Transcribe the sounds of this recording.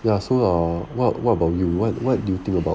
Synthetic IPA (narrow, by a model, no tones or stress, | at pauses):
jasoʌwɔtwɔtəbaʊtjuwɔt̚wɔt̚dujut̪ɪ̃ŋkəba